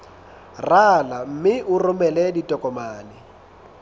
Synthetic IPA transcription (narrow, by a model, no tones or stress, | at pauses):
ralam̩mɪʔʊrʊmɛlɛditʼɔkʼɔmaːlɪ